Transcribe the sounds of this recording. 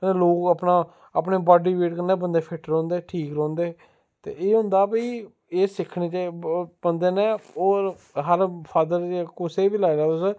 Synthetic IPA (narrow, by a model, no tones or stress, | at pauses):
əneːloːkəpnaː | əpneːbaːɖiːʋeːʈkəɾneːbənd̪eːpʰɪʈɾɔ̃ːnd̪eːʈʰiːkɾɔ̃ːnd̪eː | t̪ḛːeːɦʊ̃nd̪aːpiː | eːsɪkʰːneːt͡ʃebənd̪eːnẽːoːɾ | ɦəɾpʰaːd̪əɾkʊseːbilaːɾaːt̪ʊs